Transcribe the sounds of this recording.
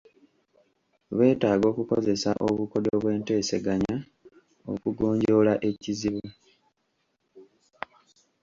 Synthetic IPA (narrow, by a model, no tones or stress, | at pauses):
βe̞ːtaːɡo̞ːkuko̞ze̞saʔoβuko̞doβwe̞ːnte̞ːse̞ɡaɲa | o̰kuɡoːɲɟo̞ːlaʔe̞ciziβu